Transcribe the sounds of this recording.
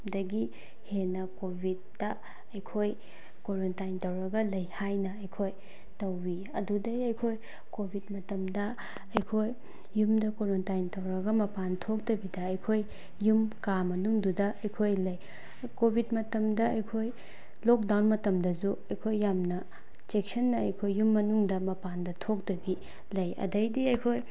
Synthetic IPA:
dɐɡi | henɐkobʱit̚ːɐ | ɐjkʰoj | koɾontajntɐwɾɐɡɐlɐjhajnɐɐjkʰoj | tɐwbi | ɐdudɐiɐjkʰoj | kobʱit̚mɐtɐmdɐ | ɐjkʰojː | umdɐkoɾontajntɐwɾɐɡɐmɐpantʰok̚tɐbidɐːjkʰoj | jumkamɐnuŋdudɐɐjkʰojlɐj | kobʱidmɐtɐmdɐɐjkʰoj | lok̚dawnmɐtɐmdɐzuɐjkʰojːamnɐ | t͡ʃek̚sɐnːɐɐjkʰojːumːɐnuŋdɐmɐpandɐtʰok̚dɐbi | lɐjɐ̰dɐjdiɐjkʰoj

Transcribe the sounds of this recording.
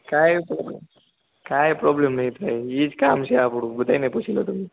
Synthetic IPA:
kajpɾɔblem | kajpɾɔblemnait̪ɾajid͡zkaamɕiapuɽubud̪ajnepuɕilot̪um̤iː

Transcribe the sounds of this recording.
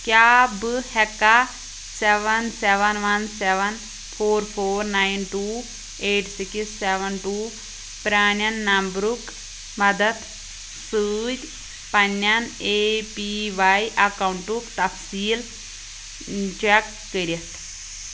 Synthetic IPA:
kjaːbɨhɛkːa | sɛʋɐnsɛʋɐnʋɐnsɛʋɐn | pʰoːɾpʰoːɾnaːinʈuː | eːʈsiksːɛʋɐnʈuː | pɾaːnɐnːɐmbɾuk | mɐd̪ɐt̪ | sɨːd͡ʒʲ | pɐnːɐneːpiʋaiʔɐkauɳʈukt̪ɐfsiːl | t͡ʃɛkːəɾiɐt̪ʰ

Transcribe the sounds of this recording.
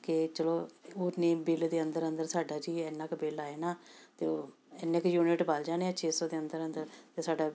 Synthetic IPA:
kɪt͡ʃəloːoːneːbɪld̪eːənd̪əɾənd̪əɾsaːɖaːd͡ʒiːɛːnːaːkbɪlaːeːnaːt̪eːoː | ɛːnːẽːkjuːnɪʈbaːld͡ʒaːneːaːt͡ʃʰeːsɔːd̪eːənd̪əɾənd̪əɾt̪eːsaːɖaː

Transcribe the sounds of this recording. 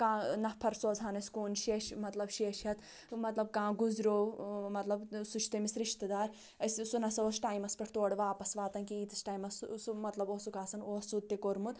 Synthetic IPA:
kãːnɐhpʰɐɾsoːd͡zʱaːnɐsʲkoːnʃeːʃmɐt̪lɐbʃeːʃɐt̪ʰ | mɐt̪lɐb̚kãːɡuzɾoːmɐt̪lɐbsut͡ʃʰt̪ɐmisɾiʃt̪ɐd̪aːɾ | ɐssunɐsɐoːsʈaːjmɐspɐʈʰt̪oːɽʋaːpɐsʋaːt̪ɐnkiiːt̪isʈaːjmɐssumɐt̪lɐboːsukaːsɐnoːsut̪ːikoɾmut̪

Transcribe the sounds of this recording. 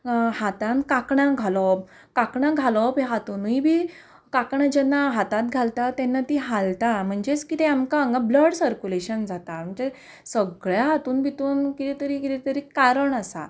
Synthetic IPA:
hat̪ãnkakɳãɡʱalɔp̚ | kakɳãɡʱalɔpɦeɦat̪uːnɦibʱiː | kakɳad͡ʑɛnːaɦat̪ãt̪̚ɡʱalt̪at̪ɛnːat̪iɦalt̪am̤əɳd͡zet͡skit̪ɛamkaəŋɡabləɽsəɾkuleɕənd͡zat̪am̤əɳd͡ze | səɡɭjaɦat̪uːnbʱit̪uːnkit̪ɛt̪əɾikit̪ɛt̪əɾiːkaɾəɳasa̰

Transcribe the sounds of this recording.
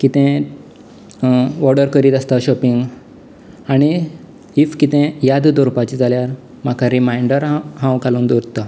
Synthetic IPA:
kit̪ɛ̃ | ʋɔɽɖəɾkəɾiːt̪ast̪aɕɔpiŋɡ | aɽ̃i | ifkit̪ɛ̃jad̪d̪ɔɾupat͡ɕid͡zaljaɾ | makʰaɾimajɳɖəɾɦãwkaluːnd̪uɾt̪a

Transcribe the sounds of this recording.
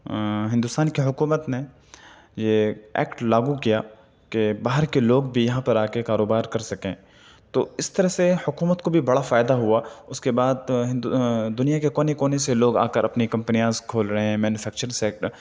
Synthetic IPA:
ɦɪ̃nd̪ʊst̪aːnkeɦʊkuːmət̪ne | jeɛ̰ːkʈlaːɡukijaː | kebaːɦəɾkeloːɡbʱijɐɦãpɐɾaːkekaːɾoːbaːɾkɐɾsɐkẽː | t̪oːɪst̪ɐɾəɦsehʊkuːmət̪kobʱibɐɽafaːjd̪aɦuaʊskebaːd̪ɦɪ̃nd̪d̪ʊnijakekoːnekoːneseloːɡa̰ːkəɾɐpnikɐ̃mpnijãzkʰoːlɾɐɦɛ̃mɛːnufʰɛːk̚t͡ʃəɾsɛːk̚ʈəɾ

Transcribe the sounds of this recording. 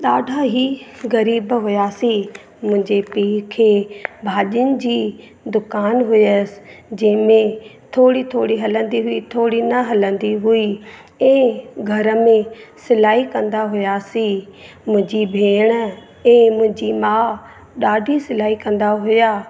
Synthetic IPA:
ɗaːɖʱaɦiɣɐɾiːbɦʊjasi | mʊ̃ɦɪ̃ɲd͡ʑepiːkʰeːbʱaːʄʊnɪ̆d͡ʑiː | d̪ʊkaːnɦʊjəsd͡ʑɐ̃ɦɪ̃mẽt̪ʰoːɽit̪ʰoːɽiɦɐlə̃nd̪iɦʊit̪ʰoːɽinɐɦɐlə̃nd̪iɦʊi | ɛ̃ːɡʱɐɾəmẽsɪlaːikɐ̃nd̪aɦʊjasiː | mʊ̃ɦɪ̃ɲd͡ʑibʱeːɽ̃ | ɛ̃ːmʊ̃ɦɪ̃ɲd͡ʑimaː | ɗaːɖʱisɪlaːikɐ̃nd̪aɦʊjaː

